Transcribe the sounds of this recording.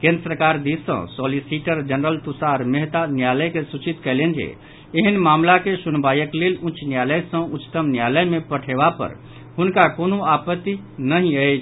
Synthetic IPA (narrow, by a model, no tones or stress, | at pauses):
kẽnd̪ɾəsɾəkaɾd̪isə̰̃sɔlisiʈəɾd͡ʒənɾəlt̪usaɾmeɦt̪anjaləjkesut͡ʃit̪kəlend͡ʒḛ | eɦənmamlakesunbajəklelũt͡ʃnjaləjsə̃ut͡ʃːt̪əmnjaləjmẽpəʈʰebapə̰ɾ | ɦunkakonoapət̪ːi | nəɦĩəɪt͡ʃʰ